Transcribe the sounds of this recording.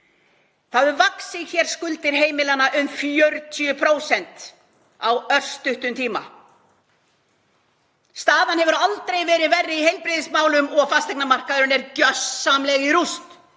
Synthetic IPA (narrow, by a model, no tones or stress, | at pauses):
θaðʏɾvaksɪɣçɛɾ̥skʏlt̪ɪɾɦeːjmɪlanːaʔʏmfjœɾt̪ʰʏʏpʰɾoːwsɛnt̪ | awœr̥st̪ʏht̪ʏmt̪ʰiːma̰ | st̪aːðanhɛvʏɾalt̪ɾejvɛːɾɪðvɛrːɪihejlpɾɪðɪsmaːwlʏmɔɣfast̪ɛjknamar̥kaðʏɾʏnɛɾcœsːamlɛɣɪɾust̪